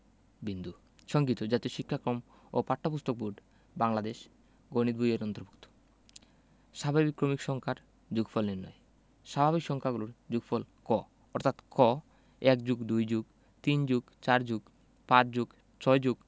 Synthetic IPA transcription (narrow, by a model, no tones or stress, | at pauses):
bind̪u | ʃɔŋɡit̪od͡ʑat̪eʃikʰːakɾom | o̰paʈʰːapust̪ok̚buɖ | baŋlad̪eʃ | ɡoñid̪̚bʱujeɾɔnt̪oɾbʱukt̪o̥ | ʃabʱabikːɾomikʃɔŋkʰaɾ | d͡ʑuɡfʰɔlniɾnɔ̰j | ʃabʱaβikʃɔŋkʰaɡuloɾd͡ʑuɡfʰɔlkɔ | ɔɾt̪ʰat̪kɔ | ɛk̚d͡ʑuɡd̪ujd͡ʑuɡ | t̪ind͡ʑuɡ | t͡ɕaɾd͡ʑuɡ | pãt͡ɕd͡ʑuɡ | t͡ɕʰɔjd͡ʑuɡ